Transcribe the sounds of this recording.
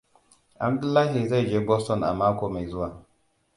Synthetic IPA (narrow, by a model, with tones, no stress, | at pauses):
ʔa˨b̚dʊ˦lːaː˦ɦi˨za˦˨jd͡ʒeː˦bɔ˦stɔ˨nʔa̰˨maː˦kʷoː˨ma˨jzʊ˦waː˨